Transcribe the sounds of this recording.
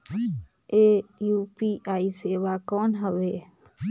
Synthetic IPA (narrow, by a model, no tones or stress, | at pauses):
ejuːpiːʔaːiseːʋaːkɔːnɦəʋeː